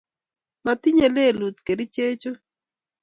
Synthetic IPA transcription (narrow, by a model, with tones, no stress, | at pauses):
ma˨t̪i˦ɲe˨le˦˨lu˨t̪ke˨ɾi˦t͡ʃe˦t͡ʃo˦